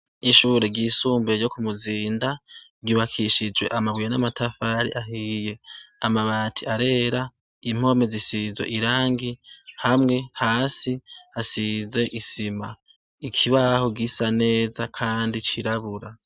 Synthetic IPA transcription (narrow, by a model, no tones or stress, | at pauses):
iʃuːɾe̞ɡisuːmbejo̞kumuziːndaɡiβakʰiʃid͡ʒwe̞̰ʔamaβwijanamatʰafaɾḭʔaɦije̞amaβatʰiaɾe̞ːɾa | im̥o̞me̞zisizwe̞̰ʔiɾaːŋɡihamŋe̞haːsihasize̞ʔisima̰ | ikʰiβahoɡisane̞ːzakʰaːndit͡ʃiɾaβuɾa